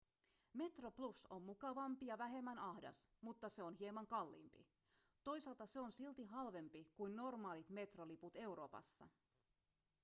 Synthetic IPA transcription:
me̞t̪roplusommukɑʋɑmpijɑʋæɦe̞mːænɑhdɑ̰smut̪ːɑse̞onɦiemɑŋkɑlːḭːmpḭ | t̪o̞jsɑlt̪ɑseonsilt̪iɦɑlʋe̞mpikujnno̞rmɑːlit̪me̞t̪roliput̪e̞wɾo̞̰ːpɑ̰sːɑ̰

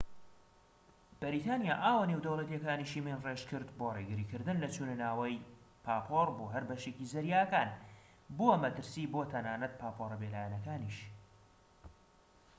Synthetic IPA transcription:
b̥ɨɾit̪ʰaːnjaːʔaːwanewd̪ɐwlˠɐt̪jɛkaːniʃimenreʃkɨɾd̪boreɡɨɾiːkɨɾd̪ɨnlɐt͡ʃʰunɨnaːwɐj | pʰaːpʰorboːɦɐɾbɐʃecizɐɾjaːkaːn | bumɐt̪ɨɾsiːboːt̪ʰɐnaːnɐt̪̚pʰaːpʰoɾɐbelaːjanɐkaːniʃ

